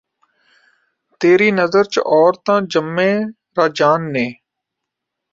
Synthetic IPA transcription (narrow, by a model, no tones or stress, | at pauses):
t̪eːɾiːnəzəɾt͡ʃʔɔːɾt̪ãːd͡ʒəmːẽː | ɾaːd͡ʒaːnːẽː